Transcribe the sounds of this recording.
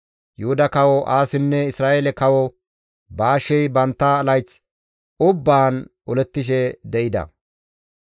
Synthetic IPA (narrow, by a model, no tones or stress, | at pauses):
jʊhʊd̪ɐkɐwɔʔaːsɪnːɛɪsɾaːjelɛkɐwɔ | baːʃɛjbɐnt̪ːɐːlɐjt͡s | ʊbːaːn | ɔlɛt̪ːɪʃ̬ɛd̪ɛʔɪd̪ɐ̰